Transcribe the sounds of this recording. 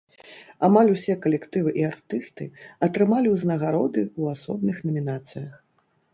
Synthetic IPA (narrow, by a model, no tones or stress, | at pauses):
amalʲusʲɛkɐlʲɛkt̪ɨvɨʔiart̪ɨst̪ɨɐt̪ɾɨmalʲiwznɐɣaɾɔd̪ɨwasɔbnɨxnɐmʲinat̪sɨjɐx